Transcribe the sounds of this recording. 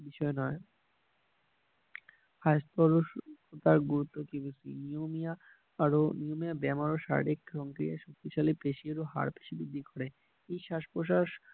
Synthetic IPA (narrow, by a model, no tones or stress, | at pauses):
biʃɔenɔe | hajst̪ɔɾoʃkot̪aɾɡuɾut̪ːokibusḭniomiaː | ɾoniomiabɛmaɾoʃa̰ɾ̰ɾikɾɔŋkɾijaʃok̚t̪iʃalipeʃieɾoɦa̰ɾpe̥ʃibid̪ʱːikɔɾe | ejʃaʃpoʃaʃ